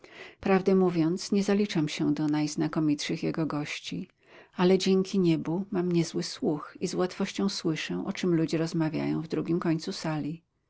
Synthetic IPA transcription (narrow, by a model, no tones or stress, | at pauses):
pɾavd̪ɛmuvʲjɔnt̪sɲɛzalʲit͡ʂamɕɛd̪ɔnajz̥nakɔmʲitʂɘxjɛɡɔɡɔɕt͡ɕi | alɛd͡ʑɛŋkʲiɲɛbumamɲɛzwɘswuxizwat̪fɔɕt͡ɕɔ̃w̃swɘʂɛ̃ʔɔt͡ʂɘmlud͡ʑɛɾɔzmavʲja̰jɔ̰̃w̃vd̪ɾuɡʲimkɔɲt̪susalʲi